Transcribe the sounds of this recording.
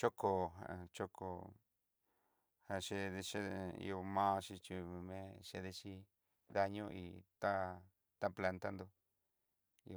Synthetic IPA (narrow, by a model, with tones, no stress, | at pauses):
t͡ʃo˦ko˨a̰˨t͡ʃo˦kʰo˨ | ha˧ʃe˧ðe˧ʃe˦˧ḭ˧o˧mãː˦˧ʃi˧t͡ʃi˧mẽ˦ʃe˧ðe˧t͡ʃi˧ | ða˧ɲũ˦ʔḭ˧t̪a˦ | t̪a˦pla˧nt̪a˦nd̪o˧ | i˧